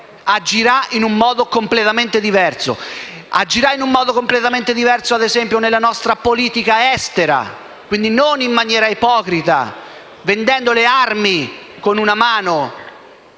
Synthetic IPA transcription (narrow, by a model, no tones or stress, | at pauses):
ad͡ʒːiɾainumːɔːd̪okomplet̪ament̪ed̪ivɛrso̰ | a̰d͡ʒːiɾainumːɔːd̪okomplet̪ament̪ed̪ivɛrsoad̪ezɛmpjonelːanɔst̪ɾapoliːt̪ikaɛst̪eɾa̰ | kwind̪inonimːanjɛːɾaipɔːkɾit̪a̰ | vend̪ɛnd̪olearmi | konunamaːno